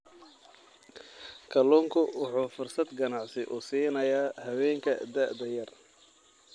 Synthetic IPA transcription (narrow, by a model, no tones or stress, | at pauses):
kʰɐlɔːŋkʰʊwɑħuːfʊrsɐd̪ɡɐnɑʕsɪʔʊsiːnɐjaːhɐwɛːŋkʰɐd̪aʕd̪ɐjɐr